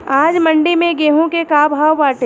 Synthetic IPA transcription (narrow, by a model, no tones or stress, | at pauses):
aːd͡ʒmɐɳɖimẽɡeːɦõkekaːbʱaːwːaːʈe